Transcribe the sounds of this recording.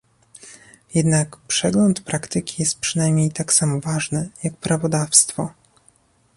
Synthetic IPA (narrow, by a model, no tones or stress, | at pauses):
jɛd̪nakpʂɛɡlɔnt̪pɾakt̪ɘkʲʰijɛst̪̚pʂɘnajmʲɲejt̪aksamɔvaʐnɘjakpɾavɔd̪afst̪fɔ